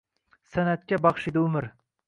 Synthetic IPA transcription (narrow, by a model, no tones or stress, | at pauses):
sænæt̪̚kʲɛbɑχʃid̪ɪʊmɪɾ